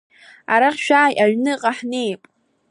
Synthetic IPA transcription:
aɾaχʲʃᶣaːjʔaɥnɨqʼaħnejpʼ

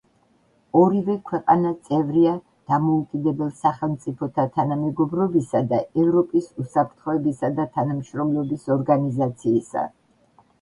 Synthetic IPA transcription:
ɔɾivɛkʰwɛqʼanat̪sʼɛvɾia | d̪̥amɔukʼid̪ɛbɛlˠsaχɛlˠmt̪sʼipʰɔt̪ʰat̪ʰanamɛɡɔbɾɔbisad̪aɛvɾɔpʼisusapʰɾt̪ʰχɔɛbisad̪at̪ʰanamʃɾɔmlɛbisɔɾɡanizat̪sʰiːsa̰

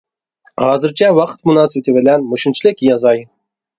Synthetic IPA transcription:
hɑːzɨɾt͡ʃʰɑwɑqʰt̪mʊnɑːsɨbt̪ʰɪbɪlænmoʃɪnt͡ʃʰlɪkʲjɑzɑj

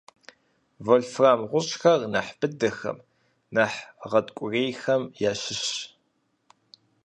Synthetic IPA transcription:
voɮfraːmʁʷʊɕʼxɐrnaħb̥ɨdɐxɐ̰m | naħʁɐdkʷʼʊreːjxɐmjaɕɪɕ

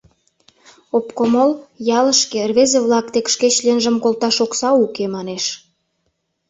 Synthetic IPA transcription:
opkomoljɑlə̆ʃkerβezeβlɑk̚t̪ekʃket͡ɕlenʒə̆mkolt̪ɑʃoksɑukemɑneʃ

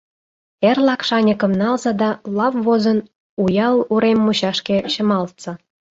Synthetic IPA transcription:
erlɑkʃɑnʲəkɤ̆mnɑlzɑd̪ɑlɑvβozɤ̆n | ujɑlˠuɾemːuɕɑʃkʲeɕə̆mɑlt̪t͡sɑ

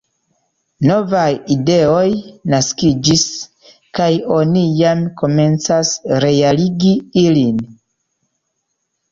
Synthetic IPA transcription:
no̞vajide̞ojnaskid͡ʒis | kajo̞nijamko̞me̞nt͡sasɾe̞aliɡiilin

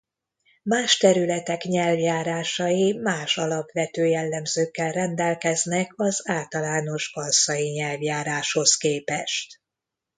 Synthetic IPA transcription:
maːʃt̪ɛɾylɛt̪ɛkɲɛlvjaːɾaːʃɒjimaːʃɒlɒpʋɛt̪øːjɛlːɛmzøːkːɛlrɛnd̪ɛlkɛznɛkɒzaːlt̪ɒlaːno̞ʒbɒlsɒjiɲɛlvjaːɾaːʃho̞skeːpɛʃt̪

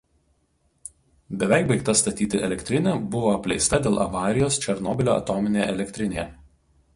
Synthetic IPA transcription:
bʲɛʋʲæˑɪkbɐɪkt̪ɐst̪ɐt̪ʲiːt̪ʲɪʔɛlʲɛkʲt̪ʲɾʲɪnʲeːbʊʋoːɐpʲlʲɛɪst̪ɐd̪ʲeːlˠʔɐʋɑːɾʲɪjoːst͡ʃʲɛɾnɔːbʲɪlʲoːɐ̰t̪oːmʲɪnʲejɛlʲɛkʲt̪ʲɾʲɪnʲeːjɛ

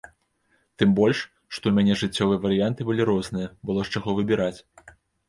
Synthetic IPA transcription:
t̪ɨmbɔlʲʂ | ʂt̪ɔwmʲanʲɛʐɨt͡sʲːɔvɨjɐvɐɾɨjant̪ɨbɨlʲiɾɔznɨjɐbɨlˠɔʂt͡ʂaɣɔvɨbʲiɾat͡sʲ

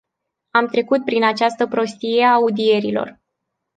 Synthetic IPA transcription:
amt̪ɾe̞kut̪̚pɾinat͡ʃast̪əpɾo̞st̪ije̞aːud̪ie̞ɾilo̞̰r

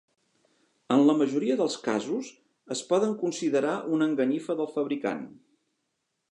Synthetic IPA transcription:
ənləməʒuɾiəðəlˠska̰zus | əspɔðəŋkunsiðəɾaʔunəŋɡəɲifəðəlˠfəβɾika̰n

